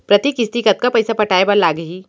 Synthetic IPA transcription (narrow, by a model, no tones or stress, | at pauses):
pɾɐt̪ikɪst̪ikɐt̪̚kapɐɪsapɐʈaːebɐɾlaːɡɐɦiː